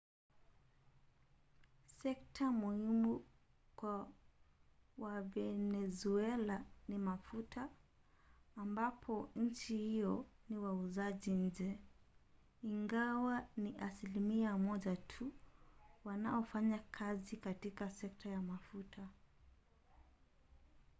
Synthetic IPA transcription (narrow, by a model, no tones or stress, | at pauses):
sɛk̚tʰamuhimu | kwa | wavɛnɛzuɛlanimafutʰaː | mbapʰɔɲ̩t͡ʃihiɔniwauzaʄiɲ̩d͡ʒɛ | iŋɡawaniʔasilimiamɔʄatʰu | wanaɔfaɲakʰazikatikasɛk̚tajamafutʰa